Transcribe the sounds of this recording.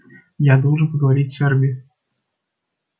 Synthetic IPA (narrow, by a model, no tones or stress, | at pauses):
jad̪ɔlˠʐɨnpəɡəvaɾʲit͡sʲsʲɛrbʲi